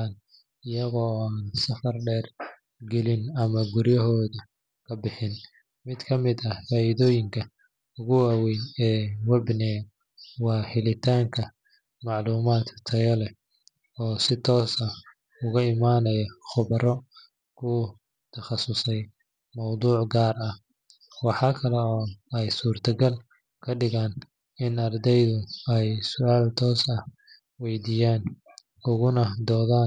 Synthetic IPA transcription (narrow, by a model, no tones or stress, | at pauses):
an | ɪjɐɣɔːaːnsɐfɐrɖɛːr | ɡɛlɪnɐmɐɡʊɾjɐɦɔːðɐ | kʰɐbɪħɪn | mɪd̪kʰɐmɪd̪ɐfaːiðɔːjɪŋkʰɐ | ʊɣʊwaːwɛjnɛːwɛbnɛː | wɑːhɪlɪt̪ʰaːŋkʰɐ | mɑʕluːmaːt̪t̪ʰɐɣɐlɛ | ɔːsɪt̪ʰɔːsɐ | ʊɣɐɪmaːnɐjɐχʊβɐɾɔ | kʰʊ | t̪ʰɐχɑsʊsɛj | mɐwd̪uːʕɡaːrɐh | wɑħɑːkʰɐlɛɔːɛjsuːrt̪ʰɐɡɐl | kʰɐɖɪɣaːn | ɪnɐrd̪ɛjðʊɛjsʊaːlt̪ʰɔːsɐh | wɛjd̪iːjaːn | ʊɣʊnɐd̪ɔːðaː